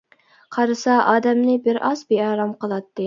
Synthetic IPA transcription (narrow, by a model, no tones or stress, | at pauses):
qʰɑɾɨsɑʔɑːd̪ɛmnɪbɪɾʔɑzbeɑːɾɑmqəlˠɑt̪ːɨ